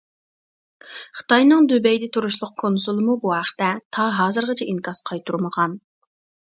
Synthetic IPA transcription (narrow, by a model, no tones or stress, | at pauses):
χə̥t̪ʰɑjnɨŋd̪øbɛjd̪ɛt̪ʰuɾuʃlˠʊq̚kʰonsulˠɨmubuɦæχə̥t̪ɛt̪ʰɑɦɑːzɨɾʁɑt͡ʃʰɛʔiŋkʰɑsqʰɑjt̪ʰuɾməʁɑn